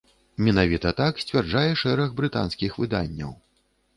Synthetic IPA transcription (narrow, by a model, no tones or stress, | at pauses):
mʲɛnavʲit̪ɐt̪aksʲt͡sʲvʲard͡ʐajɛʂɛɾɐɣbɾɨt̪a̰nskʲixvɨd̪a̰nʲːɐ̰w